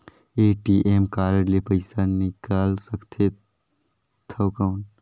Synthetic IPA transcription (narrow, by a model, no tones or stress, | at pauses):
eːʈiːʔeːmkaːɾəɽlepəɪsanɪkaːlsɐkt̪ʰe | t̪ʰɐkaːn